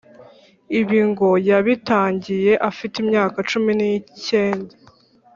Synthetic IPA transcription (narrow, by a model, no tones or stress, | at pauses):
iβiŋɡo̞jaβitaːɲɟije̞ʔafitimɲaːkat͡ʃuminice̞ːnda